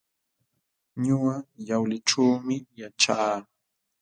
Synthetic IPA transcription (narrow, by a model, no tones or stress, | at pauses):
ɲʊɢajawlɪʈ͡ʂawmɪjaʈ͡ʂaː